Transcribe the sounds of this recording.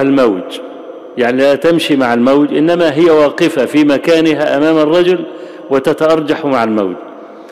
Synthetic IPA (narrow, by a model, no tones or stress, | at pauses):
almawt̪ | jaʕnilat̪ɪmʃimaʕalmawt̪ʔɪnːamaɦɪjːawɑːqɪfafiːmakaːnɪɦaʔamaːmɑrˤːɑd͡ʒʊl | wɪt̪at̪aʔɑɾˤd͡ʒɑħmaʕalma̰wt̪